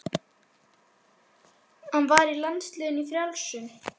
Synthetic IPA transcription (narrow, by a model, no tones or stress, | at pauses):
hanvaɾilanst̪lœːɣʏnifɾjalsʏm